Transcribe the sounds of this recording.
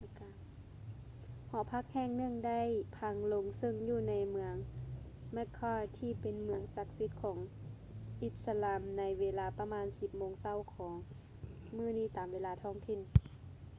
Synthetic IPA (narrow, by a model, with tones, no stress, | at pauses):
hɔː˨˦pʰa˧˥˩k̚hɛː˧˩˨ŋnɯ˧˥˨ŋda˥˩˨jpʰa˧˥ŋlo˧˥ŋsɤ˧˩ŋjuː˧˩na˧˥jmɯ˧əŋ | mɛ˧˥kʰːɔː˧˩t̪ʰiː˧˩pe˨nmɯ˧˦əŋsa˧˥k̚si˧˦t̪̚kʰɔː˩˦ŋ | ʔi˧t̪̚sa˧laː˧˦mna˧˥jweː˧laː˧pa˧maː˧˥˨nsi˧p̚moː˧˥ŋsa˧˩˨wkʰɔː˩˦ŋ | mɯː˧˥˨niː˧˩˨t̪aː˨˩mʋeː˧laː˧t̪ʰɔː˧˥˩ŋt̪ʰi˧˩n